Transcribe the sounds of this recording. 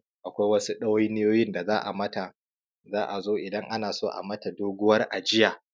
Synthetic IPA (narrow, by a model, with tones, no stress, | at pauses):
ʔa˨kʷa˦jwɐ˦su˦ɗɐ˦wa˦jnɪ˦joː˦jɪ˦nda˨zaː˦ʔa̰˨mɐ˦ta˨ | zaː˦ʔa˨zoː˦ʔɪ˨dɐ˦ŋʔa˦naː˨soː˦ʔa̰˨mɐ˦ta˨doː˦ɡʷʊ˦wɐ˦rʔa˨d͡ʒɪ˦jaː˨